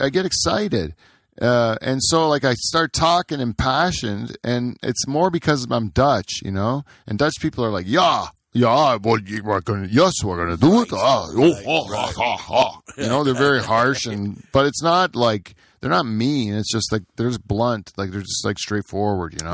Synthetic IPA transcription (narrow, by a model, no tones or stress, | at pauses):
ʔaɪɡɛɾɨksaɪɾɪd̥ | ʔʌɨ̰̃nsoʊlaɪkaɪstɑɹtʰɔkɪ̃ŋɨ̃mpʰæʃɨ̃ndʔɨ̃nɪ̰tsmɔɹbɨkʰʌzʌvãɪ̃mdʌt͡ʃjɨ̰noʊ | ʔɨ̃ndʌt͡ʃpʰipl̩ˠə˞laɪkjæ | jæwɛlwə˞aɡʌnɨjɛswɡʌnɨdət̪aoʊɑɑ̰hɑhɑjɨjɨnoʊðə˞vɛɹihɑɹʃɨ̃nb̥ʌɾɨtsnət̚laɪk | ðə˞nət̚mĩɨ̃nɨtsd̥ʒ̥ʌst̚ˡlaɪk̚ðə˞d͡ʒʌsb̥lʌ̃ntlaɪk̚ðə˞d͡ʒʌst̚ˡlaɪkstɹ̥eɪtfɔɹwə˞d̚jɨ̰noʊ